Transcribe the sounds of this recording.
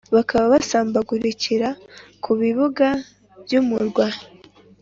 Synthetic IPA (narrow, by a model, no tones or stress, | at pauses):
βakʰaβaβasaːmbaɡuɾiciɾakʰuβiβuɡa | v̥jumuɾɡwa